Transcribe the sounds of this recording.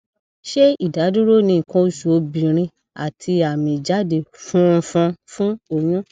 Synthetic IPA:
ʃe˦i˦˨da˨˦du˦ɾo˦˨nĩ˧˨kã˧o˨su˨o˨˧bĩ˨ɾ̃ĩ˧ | a̰˨tʰi˧a˨mĩ˨d͡ʒa˦de˧˨fũ˦˧fũ˧fũ˦o˨j̃ũ˦

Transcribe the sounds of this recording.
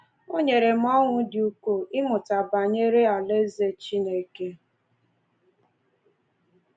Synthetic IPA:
o˦ɲe˨ɾe˨m̩˦ɔ˦ŋʷʊ˦dɪ˨u˦ko˦ʔɪ˦mʊ˨ta˨ba˨ɲe˦ɾe˦a˨le˦ze˦t͡ʃi˦ne˨˦ke˦

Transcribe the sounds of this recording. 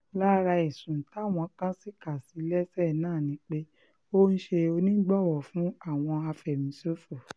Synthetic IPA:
la˦ɾa˧i˨sũ˨ta˨˦˨w̃ɔ̃˧˨˦kã˦si˦ka˨si˨˦lɛ˦sɛ˦˨nãː˦˨nĩ˧˦k͡pe˦ | o˦n̩˦ʃe˧o˧nĩ˦ɡ͡bɔ˦˨wɔ˨fũ˨˦a˦˨w̃ɔ̃˧a˧fɛ˨mĩ˨˦so˦fu˦˨

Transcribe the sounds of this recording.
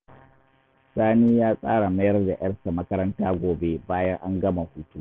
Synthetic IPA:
saː˦niː˦jaː˦sʼa̰ː˦ɽa˨mɐ˦jɐ˦rda˨j̰ɐ˦rsa˨mɐ˦kɐ˦ɾɐ˦ntaː˦ɡʷoː˨be˦baː˦jɐ˦ŋʔa˦ŋɡɐ˦ma˨huː˦tuː˦

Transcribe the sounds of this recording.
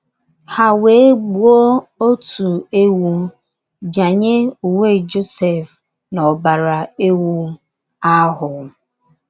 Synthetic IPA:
ha˨we˨˦ɡ͡bu˨o˦o˦tu˨e˦wu˦ | d͡ʒa˨ɲe˦u˨ŋʷe˦˨d͡ʒo˦se˨f | nɔ˨ba˨ɾa˨e˦wu˦ | a˦ɦʊ˨

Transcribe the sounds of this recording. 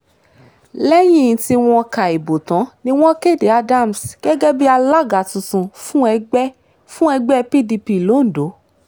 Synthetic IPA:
lɛ˦j̃ĩ˦˨˦ti˧w̃ɔ̃˧ka˨e˨bo˨tã˨˦nĩ˦w̃ɔ̃˦ke˦˨de˨a˧da˦˨m̩˨sɡ̥ɛ˦ɡɛ˦bi˦a˧la˦˨ɡa˨tũ˨˧tũ˧fũ˦ɛ˧˦ | fũ˦ɛ˧ɡ͡bɛ˦˧pi˦di˧pi˧˨lo˨˦n̩˨do˨˦

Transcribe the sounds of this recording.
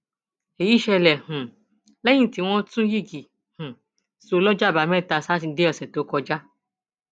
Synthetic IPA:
e˨ji˨˦ʃɛ˧lɛ˨hũ˨ | lɛ˦j̃ĩ˦˨ti˨˦w̃ɔ̃˦tũ˦ji˦˨ɡi˨ | hũ˨ | so˧˦lɔ˦d͡ʒa˦˨ba˨˦mɛ̃˦˨ta˧sa˦ti˧˦de˦ɔ˦˨sɛ˨to˨˦kɔ˧d͡ʒa˦

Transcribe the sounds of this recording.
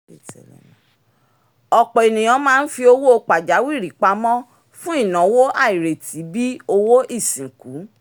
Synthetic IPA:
ɔ˨k͡pɔ˨e˨nĩ˨j̃ɔ̃˨˧˦mãː˦˧n̩˦fi˧o˧wo˦o˧k͡pa˨d͡ʒa˨˦wi˦˨ɾi˨˦k͡pa˧mɔ̃˦ | fũ˦i˦˨nã˨˦wo˦ʔa˦˨i˨ɾe˨tʰi˨˦bi˦o˧wo˦ʔi˦˨sĩ˨ku˨˦

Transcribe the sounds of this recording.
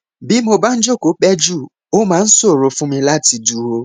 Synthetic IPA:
bi˨˦mo˧ba˦n̩˦d͡ʒo˦˨ko˨˦k͡pɛ˦d͡ʒu˦˨ | o˦mãː˦n̩˦so˦˨ɾo˨fũ˦mĩ˧la˦˨ti˧du˨ɾo˧

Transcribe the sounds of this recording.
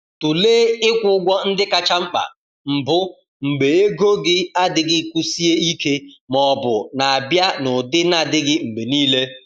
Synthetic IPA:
tu˨leː˦ɪ˦kʷʊ˦ʊ˦ɡʷɔ˦n̩˦dɪ˦ka˨t͡ʃa˦ŋ͡m̩˦k͡pa̰˨ | m̩˨bʊ˦ | ŋ͡m̩˨ɡ͡be˨e˦ɡo˦ɡɪ˦a˦dɪ˨ɡɪ˦˨kʷu˦si˦e˦i˦ke˦mɔ˨bʊ˨na˨a˨bja˦nʊ˨dɪ˦na˨dɪ˦ɡɪ˦ŋ͡m̩˨ɡ͡be˨niː˦le˦

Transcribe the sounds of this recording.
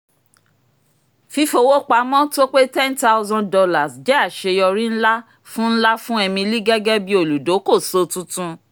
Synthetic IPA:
fi˧fo˧wo˦k͡pa˨˦mɔ̃˦to˦k͡pe˦tɛ̃˦nta˦ʊ˦zɔ̃˧ndɔ˧la˨sd͡ʒɛ˦a˦˨ʃe˧jɔ˧ɾĩ˦n̩˦la˦ | fũ˦n̩˦la˦fũ˦ɛ˧mĩ˧li˦ɡɛ˦ɡɛ˦bi˦o˨lu˨do˨˦ko˦˨so˧tũ˦tũ˦

